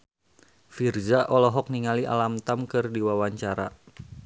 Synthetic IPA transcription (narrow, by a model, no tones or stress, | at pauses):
firzaʔɔlɔɦɔk̚niŋaliʔa̰lamt̪amkɨrdiwawaɲt͡ʃaɾa̰